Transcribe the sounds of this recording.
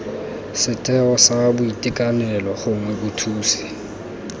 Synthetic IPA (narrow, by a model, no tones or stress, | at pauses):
sɪtʼɛɔsabʊitʼikʼanɛlɔχʊŋwɛkʊtʰuːsi̥